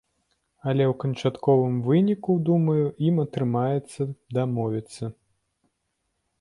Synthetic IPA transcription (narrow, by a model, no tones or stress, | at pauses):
ɐlʲɛwkɐnt͡ʂat̪kɔvɨmvɨnʲikud̪umɐjuimɐt̪ɾɨmajɛt̪sːɐd̪amɔvʲit̪sːɐ